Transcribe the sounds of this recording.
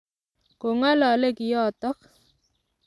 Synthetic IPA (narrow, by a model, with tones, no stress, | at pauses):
ko˨ŋa˦lɔ˨le˦kɪ˨jɔ˦˨t̪ɔ˦k